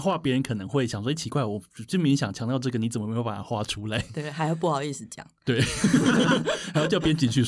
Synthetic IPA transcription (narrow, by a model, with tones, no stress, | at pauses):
xwa˥˩pjɛ˧˥ɻə˧˦nkʰɤ˨˩nə˧˦ŋxwe˥˩ɪɕjŋswɔ˥˧˩t͡ɕʰi˧˥kwa˥˩ɪwɔ˨˩˨t͡ɕi˥˩mi˧˥ŋɕjɑ˨˩ŋt͡ɕʰjɑ˧˥ŋt̪jʈ͡ʂɤ˥˩ɡə˩ni˨˥t͡sə˨˩mə˨m˧jo˧˥pa˨˩a˧˥xwa˥ʈ͡ʂʰu˦˥la˧˦ɪt̪e˥˩xa˧˥ɪjo˧ʊp̬u˥˩xɑ˨˩ʊi˥˧˩sɹ̩˨˩˦t͡ɕjɑ̰˨˩˦t̪we˥˩ɪ | a˨˧˥jt͡ɕɑ˥˩pjə˧nt͡ɕi˨˩nt͡ɕʰy˥˧˩